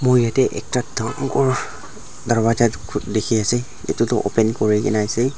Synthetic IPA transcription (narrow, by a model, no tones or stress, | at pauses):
mojjatɛʔɛ̰k̚tadaŋkɔɹ | daɹbatatkʰdekʰiasɛ | ḛtutʊʔo̰pɛnkɔɹikɛ̰nasɛ